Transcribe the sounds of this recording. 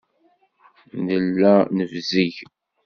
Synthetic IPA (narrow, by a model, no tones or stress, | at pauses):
nəlːænəvziʝ